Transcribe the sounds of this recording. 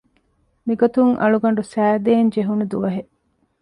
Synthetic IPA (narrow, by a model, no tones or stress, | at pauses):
miɡot̪uŋʔɐ̰ɭuɡɐɳɖusæːd̪eːɲd͡ʒeɦunud̪uʋɐɦeʔ